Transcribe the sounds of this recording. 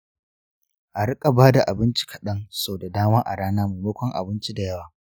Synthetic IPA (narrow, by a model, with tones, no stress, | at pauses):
ʔa˨ɽɪ˦kʼa˨baː˦da˨ʔa˨bɪ˦nt͡ʃi̥˦kʰɐ̥˨ɗɐ˦ŋsoː˨da˨daː˦maː˦ʔa̰˨ɽaː˦naː˦mu˨moː˦kʷɔ˦ŋʔa̰˨bɪ˦nt͡ʃi˦da˨jɐ˦waː˨